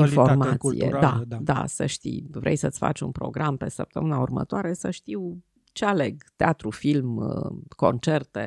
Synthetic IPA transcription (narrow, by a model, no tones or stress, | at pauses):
info̞mat̪sḭj̪ḛdad̪a̰səʃt̪ḭjvɾʔejsət̪sʲfa̰t͡ʃʲunpɾo̞ɡɾampe̞səp̚t̪əmɨnaurmə̰t̪oaɾe̞səʃt̪iw | t͡ʃeale̞ɡt̪eat̪ɾufilməko̞nt͡ʃe̞rt̪ḛ